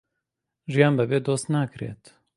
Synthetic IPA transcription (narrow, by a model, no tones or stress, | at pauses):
ʒijaːnbɛbeːd̪oːst̪naːkɾḛːt̪